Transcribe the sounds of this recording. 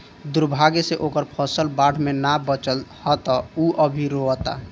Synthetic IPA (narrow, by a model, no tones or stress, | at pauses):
d̪uɾbʱaɡeseʔokəɾpʰəsəlbaɽ̤ʰʱmenabət͡ʃəlhɔt̪ɔuʔəbʱiɾoət̪a̰